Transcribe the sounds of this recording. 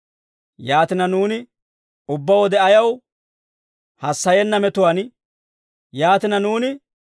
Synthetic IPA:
jaːt̪ɪnɐnuːnɪ | ʊbːɐwɔd̪ɛɐjɐw | hɐsːɐjɛnːɐmɛt̪ʊwan | jaːt̪ɪnɐnuːnɪ

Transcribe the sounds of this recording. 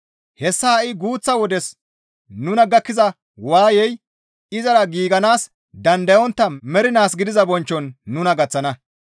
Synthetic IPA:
hɛsːɐhɐʔɪɡuːt͡sːɐwɔd̪ɛs | nʊnɐɡɐkːɪzɐ | waːjɛj | ɪzɐɾɐɡiːɡɐnaːs | d̪ɐnd̪ɐjɔnt̪ːɐmɛɾɪnaːsɡɪd̪ɪzɐbɔnt͡ʃːɔnːʊnɐɡɐt͡sːɐnɐ

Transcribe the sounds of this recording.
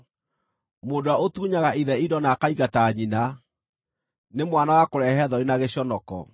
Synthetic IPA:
moːndoaotuːɲaɣaiðɛidɔnaːkaiɣataɲina | nemwanawakoɾɛɦɛðɔinaɣeɕɔnɔkɔ̰

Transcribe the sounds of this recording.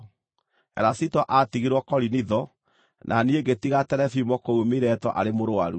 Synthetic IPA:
ɛ̰ɾasitɔʔatiɣiɾwɔkɔɾiniðɔ | nʔanieɡetiɣatɛɾɛfimɔkoumiɾɛtɔʔa̰ɾemoɾowa̰ɾu

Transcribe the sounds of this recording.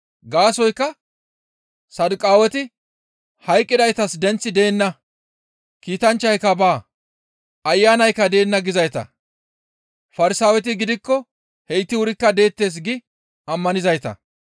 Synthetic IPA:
ɡaːsɔjkːɐ | sɐd̪ʊkʼːaːwɛt̪ɪ | hɐjkʼːɪd̪ɐjt̪ɐsd̪ɛnt͡sːɪd̪e̞ːnːɐ | kiːt̪ɐnt͡ʃːɐjkːɐbaː | ɐjːaːnɐjkːɐd̪e̞ːnːɐɡɪzɐjt̪ɐ̰ | fɐɾɪsaːwɛt̪ɪɡɪd̪ɪkːɔ | hɛjt̪ːɪwʊɾɪkːɐd̪e̞ːt̪ːe̞ːs̬ɡɪ | ɐmːɐnɪzɐjt̪ɐ̰

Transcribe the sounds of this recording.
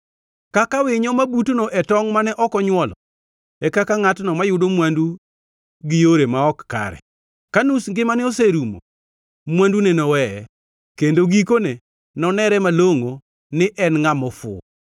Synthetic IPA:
kakawɪɲɔmabutonoʔɛtɔŋmanɛʔɔkɔɲwɔlɔ | ɛkakaŋatnɔmajʊdomwandu | ɡɪjoɾemaɔkːa̰ɾɛ̰ | kanusŋɡɪmanɪoseɾumo̰ | mwandunenɔwɛ | kendoɡikone | nɔnɛɾɛmaloŋo | nɪʔɛnŋamɔfʊ̰

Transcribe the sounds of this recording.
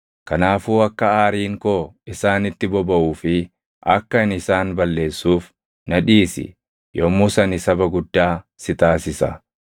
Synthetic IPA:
kɐnaːfuːɐkːɐaːɾiːŋkoːɪsaːnɪt̪ːɪbɔbɐʔuːfɪ | ʔɐkːɐɪnɪsaːnbɐlːe̞ːsːuːf | nɐᶑiːsɪ̰ | joːmʊsɐnɪsɐbɐɡʊd̪ːaːsɪt̪aːsɪsɐ̰

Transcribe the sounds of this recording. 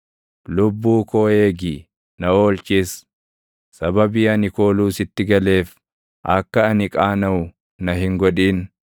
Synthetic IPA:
lʊbːuːkoːe̞ːɡiː | nɐoːlt͡ʃiːs | sɐbɐbiːɐnɪko̞ːluːsɪt̪ːɪɡɐle̞ːf | ʔɐkːɐɐnɪkʼaːnɐʊ | nɐɦɪŋɡɔᶑiːn

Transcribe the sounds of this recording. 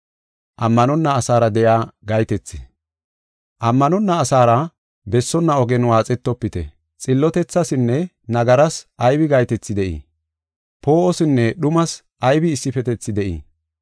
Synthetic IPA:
ʔɐmːɐnɔnːɐːsaːɾɐd̪ɛjaːɡɐjt̪ɛt͡sːɪ | ʔɐmːɐnɔnːɐːsaːɾɐ | bɛsːɔnːɐɔɡɛnwaːt͡sʼɛt̪ːɔpːɪt̪ɛ̰ | t͡sʼɪlːɔt̪ɛt͡sːɐsɪnːɛ | nɐɡɐɾɐsɐjbɪɡɐjt̪ɛt͡sːɪd̪ɛʔḭː | pʰo̞ːʔɔsɪnːɛɗʊmɐs | ʔɐjbɪːsːɪfɛt̪ɛt͡sːɪd̪ɛʔḭː

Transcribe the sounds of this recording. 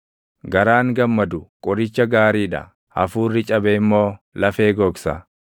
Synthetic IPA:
ɡɐɾaːŋɡɐmːɐd̪ʊkʼɔɾɪt͡ʃːɐɡaːɾiːᶑɐ̰ | ɐ̰fuːrːɪt͡ʃʼɐbeːɪmːo̞ː | lɐfe̞ːɡɔːksɐ̰

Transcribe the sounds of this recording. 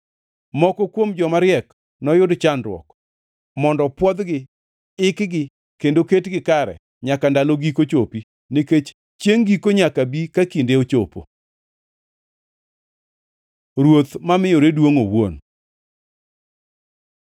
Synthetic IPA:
mɔkɔkwomd͡ʒɔmaɾɪɛk | nɔjʊdt͡ʃandɾwɔ̰k | mɔndɔpwɔd̪ɡɪ | ɪkɡɪ | kendoketɡɪkaɾɛ̰ | ɲakandaloɡikot͡ʃopi | niket͡ʃ | t͡ʃjeŋɡikoɲakabikakindeot͡ʃo̰po̰ | ɾwot̪mamɪjoɾedwoŋowon

